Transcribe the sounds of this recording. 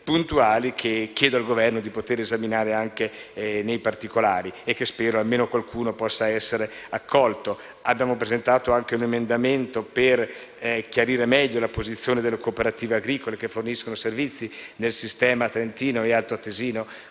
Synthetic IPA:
punt̪uaːlikʰekːjɛːd̪oalɡovɛrnod̪ipot̪eːɾezaminaːɾeaŋkenejpart̪ikolaːɾiekːespɛːɾoalmeːnokwalkʰuːnopɔsːaɛsːeɾeakːɔlt̪o | abːjaːmopɾezent̪aːt̪oaŋk̟eunemend̪ament̪operkjaɾiːɾemɛʎːolapozit̪sːjoːned̪elːekoːpeɾat̪iːveaɡɾiːkolekefːorniskonoservit̪sːinelsist̪ɛːmat̪ɾent̪iːnoealt̪oat̪ːeziːno

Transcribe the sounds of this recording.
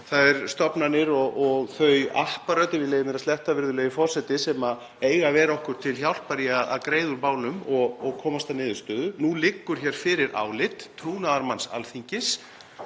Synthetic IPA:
θaðɛɾst̪ɔpnanɪɾɔɣɔɣθœɥahpaɾœt̪ɪvɪlɛjɪmɛɾast̪ɛht̪avɪɾðʏlɛjɪfɔr̥sɛt̪ɪsɛma | eːjɣavɛɾɔhkʏɾ̥t̪ʰɪlçjawl̥paɾiaða̰ðkɾeːjðʏɾmaːwnʏmɔɣɔɣkʰɔːmast̪anɪːðʏst̪œːðʏnulɪkːʏɾ̥çɛːɾ̥fɪɾɪɾa̰ːwlɪt̪ʰːɾuːnaðaɾmansa̰lθiɲcɪs

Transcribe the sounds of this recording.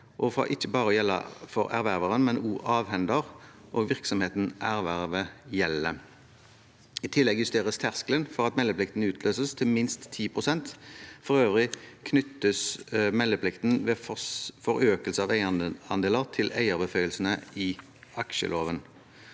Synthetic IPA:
ʔɔfɑ̰ʔɪçːəbɑːɾəɔjɛlːɑ̰fɔɾæ̰ɾʋæʁʋəʁənmɛnuːʔɑːʋhɛnd̪əʁ | ʔoːɡʋɪʁksɔmheːt̪n̩ʔæʁʋæʁʋəjɛlːə | ɪt̪ʰɪlːɛɡjʉst̪eːʁəst̪ʰæʁsklənfɔʁɑt̪mɛlːəplɪkt̪n̩ʉːt̪ʰlʔøːsəst̪ʰɪlmɪnst̪ʰːiːpʰʁʊsɛnt̪fɔʁøːʋʁɪkʰnʏt̪ːəsmɛlːəpʰlɪkt̪nʋɛffɔɾøːkəlsəɑʋæɪɑɑ̰nd̪eːləʁt̪ʰɪlæɪəʁbəfœʏəlsən̩əɪ | ɑkʃə̰lʔoːʋən

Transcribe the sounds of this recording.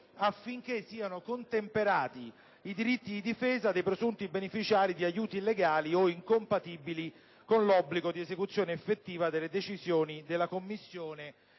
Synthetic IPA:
afːiŋk̟esːiːanokont̪empeɾaːt̪i | id̪iɾit̪ːid̪id̪ifeːzad̪ejpɾezunt̪ibenefit͡ʃaːɾid̪iajuːt̪ileɡaːlioiŋkompat̪iːbili | konlɔbːliɡod̪iezekut̪sːjoːneːfːet̪ːiːvad̪elːed̪et͡ʃizjoːnid̪elːakomːisːjoːne

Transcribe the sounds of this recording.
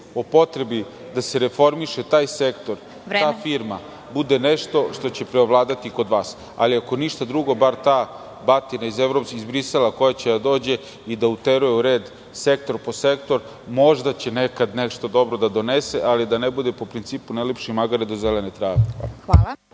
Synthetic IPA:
opo̞t̪ɾe̞bi | d̪aseɾe̞fo̞ɾmiʃet̪aːjsekt̪o̞ɾ | aːfiɾma | bud̪eneʂt̪o̞ʃt̪o̞t͡ɕe̞pɾeoʋlˠaːd̪at̪iko̞d̪ʋaːs | a̰liako̞niʃt̪ad̪ɾuɡo̞baɾt̪aː | bat̪inaizeʋɾopskizbɾiselako̞jat͡ɕe̞d̪ad̪o̞ːd͡ʑe̞ | id̪aut̪eɾujeuɾeːd̪ | se̞k̚t̪o̞ɾpo̞se̞kt̪o̞ɾ | mo̞ʐd̪at͡ɕe̞nekad̪neʃt̪o̞d̪o̞bɾo̞d̪ad̪o̞neseʔalid̪anebud̪e̞po̞pɾint̪siːpunajlepʃimaɡaɾed̪o̞zelenet̪ɾaːʋea̰aːla

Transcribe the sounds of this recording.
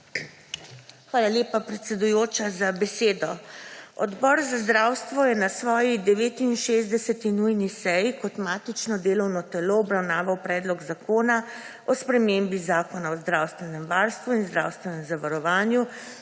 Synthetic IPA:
xʋaːlaljeːpapɾɛt̪sɛd̪ujoːt͡ʃazabɛseːd̪ɔɔd̪bɔːɾzazd̪ɾawst̪ʋɔjɛnasʋɔːjid̪ɛʋeːt̪innʃeːzd̪ɛsɛt̪inujnisɛjkɔt̪maːt̪it͡ʃnɔd̪eːlɔwnɔt̪ɛloɔbɾawnaːʋawpɾɛːd̪lɔɡzakoːna | ɔspɾɛmembizaːkɔnaɔzd̪ɾaːwst̪ʋɛnɛmʋaɾst̪ʋuinzd̪ɾa̰wst̪ʋɛnɛmzaʋaɾɔʋaːnju

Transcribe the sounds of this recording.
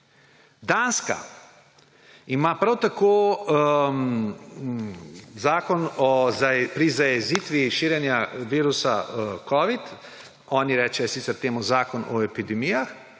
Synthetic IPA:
d̪aːnska̰ | imaːpɾawt̪akoː | zaːkɔnɔpɾizajɛziːt̪ʋiʃiːɾjɛnjaʋiːɾusakɔːʋit̪ | ɔːniɾɛːt͡ʃɛjɔsiːt̪sɛɾt̪eːmuzaːkɔnɔɛpid̪ɛmijax

